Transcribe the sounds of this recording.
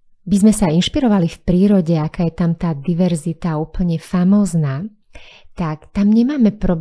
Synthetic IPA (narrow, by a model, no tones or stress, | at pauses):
bizmɛsainʃpiɾɔʋalifpɾiːɾɔɟɛakaːjɛt̪amt̪aːd̪iʋɛɾzit̪auːpl̩ɲɛfamɔːznaː | t̪akt̪amɲɛmaːmɛpɾɔb